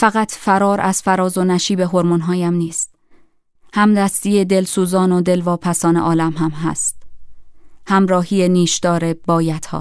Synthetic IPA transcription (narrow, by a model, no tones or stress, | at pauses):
fæɣæt̪ʰfæɾɒːɾʔæz̥fæɾɒːzo̞næʃiːbe̞ɦo̞ɾmonɦɒːjæmniːst̪̚ | hæmd̪æst̪ijed̪e̞lsuːzɒːnod̪e̞lvɒːpʰæsɒːne̞̰ʔɒːlæmɦæmɦæ̰st̪ | hæmɾɒːhiːjeniːʃd̪ɒːɾe̞b̥ɒːjæt̪ʰhɒ̰ː